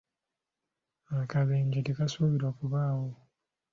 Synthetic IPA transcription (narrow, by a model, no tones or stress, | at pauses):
akaβeːɲɟetekasuβiɾoːkuβaːwo